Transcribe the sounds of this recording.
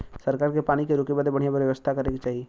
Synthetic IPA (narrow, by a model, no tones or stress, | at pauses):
səɾkaːɾkepaːñikeɾʊkebad̪ebɐɽ̤ijabɾjəʋəst̪ʰakɐɾekit͡ʃaːɦieː